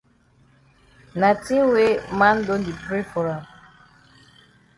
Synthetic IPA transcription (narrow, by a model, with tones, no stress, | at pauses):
na˨ti˦we˦ma˦n̩˦do˦n˦di˨pɾe˦fɔ˨ɾa˨m